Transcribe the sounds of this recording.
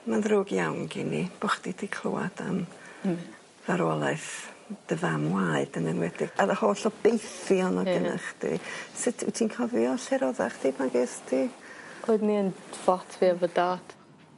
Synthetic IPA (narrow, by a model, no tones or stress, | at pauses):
manðroːɡjawnɡinib̥ɔχd̥idʰikʰl̥ˠʊ̰ːa̰da̰n | vaɾɔlˠaɨθd̥əvamwaːɨdənənwɛdɪɡaðəhoːɬɔbejθiɔnɔɡəna̰χdʰḭsɪtʰɪ̰tʰiːnkʰɔvjɔɬɛɾɔða̰χtʰipʰanɡeːstʰioɨdniənfɔtʰviavədaːd̥